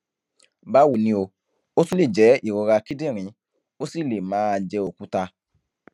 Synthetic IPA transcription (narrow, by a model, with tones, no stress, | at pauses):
ba˦wu˨nĩ˧o˧ | o˦sũ˦le˦˨d͡ʒɛ˨˦i˦˨ɾɔ˧ɾa˧ki˦dĩ˦˨ɾ̃ĩ˨˦ | o˦si˦˨le˨mãː˨˦˧d͡ʒɛ˧o˨ku˨˦ta˧